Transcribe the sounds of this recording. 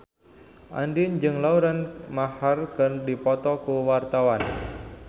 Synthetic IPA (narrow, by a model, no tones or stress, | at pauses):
ʔa̰ndind͡ʒɨŋlauɾanmaharkɨrdipɔt̪ɔkuwart̪awan